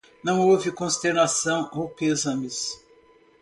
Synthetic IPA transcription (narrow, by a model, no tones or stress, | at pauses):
nɐ̃w̃owvɪkõst̪eɾnasɐ̃w̃ʔowpezɐ̃mɪs